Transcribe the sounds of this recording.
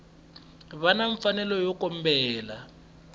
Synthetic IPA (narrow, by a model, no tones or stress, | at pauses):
βanaɱfanɛlɔjɔkɔm̩bɛːla